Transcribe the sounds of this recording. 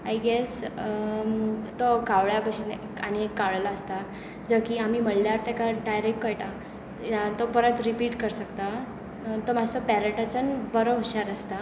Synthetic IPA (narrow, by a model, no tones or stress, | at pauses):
ajɡes | t̪okaʋɭjabəɕinekañiekːaʋɭalaəst̪a | d͡zəkiːam̤iːməɽljaɾt̪akaɖajɾekʈkəjʈa | at̪opəɾət̪ɾipiːʈkəɾsəkt̪a | t̪omad͡zsopɛɾəʈat͡ɕənbəɾoɦɕaɾəst̪a